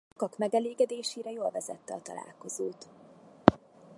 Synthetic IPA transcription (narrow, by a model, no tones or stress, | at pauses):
kɒkmɛɡɛleːɡɛd̪eːʃeːɾɛjoːlvɛzɛ̰t̪ːɛɒt̪ɒ̰lʔa̰ːlko̞zoːt̪